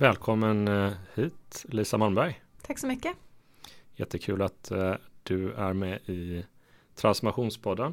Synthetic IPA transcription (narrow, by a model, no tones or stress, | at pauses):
vɛːlkʰɔmːənhiːt̪liːsamanbæɾjt̪ʰaksɔmʏkːə | jɛt̪ʰːəkʰʉ̟ːlat̪d̪̥ɵæɾmɛɪ | t̪ʰɾansmaɧuːnspʰɔd̪ːən